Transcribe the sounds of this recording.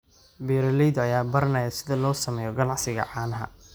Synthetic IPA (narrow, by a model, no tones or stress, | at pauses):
bɛːɾɐlɛjðɐjaːbɐɾɐnɐjasɪðɐlɔːsɐmɛːjɔɡɐnɑʕsɪɣɐ̰ʕɑːnɐɦɐ̰